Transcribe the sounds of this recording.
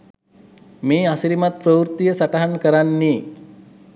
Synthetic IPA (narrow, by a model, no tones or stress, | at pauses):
meːasiɾimat̪̚pɾəwuɾt̪ijəsaʈəɦankəɾanːiː